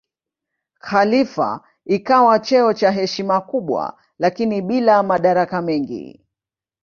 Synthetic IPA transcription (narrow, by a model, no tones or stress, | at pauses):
xalifa̰ | ikawat͡ʃɛɔt͡ʃaɦɛʃimakuɓwa̰ | lakiniɓilamaɗaɾakamɛŋɡḭ